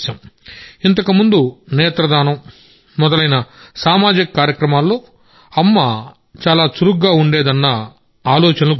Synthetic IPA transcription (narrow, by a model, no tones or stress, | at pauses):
ɐmint̪ɐkɐmund̪unɛːt̪ɾɐd̪aːnɐm | mɔd̪ɐlɐjnɐsaːmaːd͡ʒikɐkaːɾjɐkɾɐmaːlːo̞ː | ɐmːɐ | t͡ʃaːlaːsuɾukɡaːuɳɖe̞ːd̪ɐnːɐ | aːlɔːt͡ʃɐnɐlu